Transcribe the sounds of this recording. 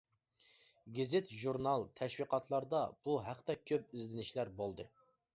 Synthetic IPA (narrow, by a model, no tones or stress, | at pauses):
ɡʲizɪt̪ʒuɾnɑlˠt̪ʰɛʃwiqʰɑt̪ʰlˠɑɾd̪ɑb̥uɦæqt̪ɛkʲʰøp̚izlɪnɪʃlæɾbolˠd̪ɨ